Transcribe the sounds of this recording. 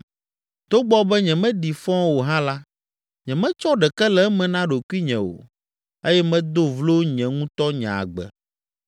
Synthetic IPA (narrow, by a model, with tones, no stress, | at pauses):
t̪o˦ɡ͡bɔ˦bɛ˦ɲɛ̃˨mɛ̃˦ɖi˨fɔ̃˦wo˨ɦã˦la˦ | ɲɛ̃˨mɛ̃˦t͡ʃɔ˦ɖɛ˨kɛ˦lɛ˨˦mɛ̃˨nã˦ɖo˨kwi˦ɲɛ̃˨wo̰˨ | e˦jɛ˦mɛ̃˦d̪o˦vlo˦ɲɛ̃˨ŋũ˦t̪ɔ˦ɲã̰˨a̰˨ɡ͡bɛ̰˨